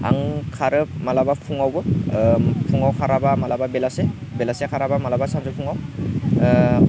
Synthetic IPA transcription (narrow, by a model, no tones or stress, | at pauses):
a̰ŋkʰaɾɯmalabapʰuŋawbɯ | pʰuŋawkʰaɾabamalababelasebelasekʰaɾabamalabasanzɯpʰuŋaw